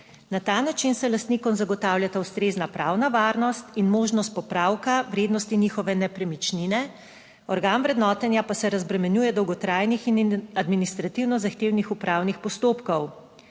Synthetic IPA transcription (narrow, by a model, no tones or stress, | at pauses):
nat̪anat͡ʃinsɛlast̪nikɔmzaɡɔt̪awljat̪awst̪ɾeːznapɾa̰ːwnaʋaɾnɔst̪inmoːʒnɔst̪̚pɔpɾawkaʋɾeːd̪nɔst̪inixɔʋɛnɛpɾɛmit͡ʃninɛ | ɔɾɡaːnʋɾɛd̪nɔːt̪ɛnjapasɛɾazbɾɛmɛnjuːjɛd̪ɔwɡɔt̪ɾajnixinad̪minist̪ɾat̪iwnɔzaxt̪eːwnixupɾaːwnixpɔst̪oːpkɔw